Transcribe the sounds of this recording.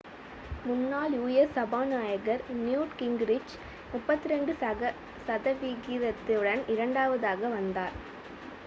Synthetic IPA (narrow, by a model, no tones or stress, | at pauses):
mʊnːaːljuːjɛsɐbaːnaːjɐɣɐɾnjuːʈkɪŋɡɾɪt͡ʃ | mʊpːɐt̪ːɪɾɛɳɖɯɐ | sɐðɐʋiɣɪɾɐt̪ːɪɯɽɐnɪɾɐɳɖaːʋɐðaːɣɐʋɐnd̪aːɾ